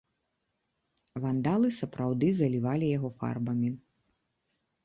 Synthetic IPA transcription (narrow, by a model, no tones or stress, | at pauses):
vand̪alˠɨsɐpɾawd̪ɨzɐlʲivalʲijaɣɔfa̰rbɐmʲi